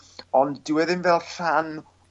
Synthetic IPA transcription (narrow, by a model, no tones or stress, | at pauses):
ɔnddɪwɛðɪnvɛlˠɬan